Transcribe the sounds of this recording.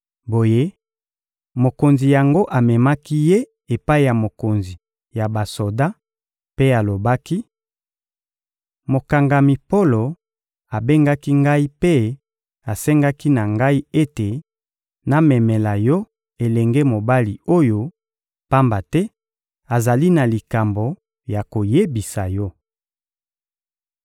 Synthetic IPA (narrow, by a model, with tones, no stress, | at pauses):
bo˨je˦ | mo˨ko˨nzi˨ja˨ŋɡo˦ʔa˨mɛ˨ma˦ki˦je˦ | e˨pa˦i˦˨ja˨mo˨ko˨nzi˨ | ja˨ba˨so˨da˦ | pe˦a˨lo˨ba˦ki˦ | mo˨ka˨ŋɡa˨mi˨po˦lo˨ | a˨be˦ŋɡa˦ki˦ŋɡa˦i˦pe˦ | a˨sɛ˦ŋɡa˦ki˦na˨ŋɡa˦i˦e˦te˨ | na˨mɛ˨mɛ˨la˨jɔ˦ | e˨lɛ˨ŋɡe˦mo˨ba˦li˨o˦jo˦ | pa˦mba˨tɛ˦ | a˨za˨li˦na˨li˨ka˨mbo˨ | ja˨ko˨je˦bi˨sa˨jɔ˦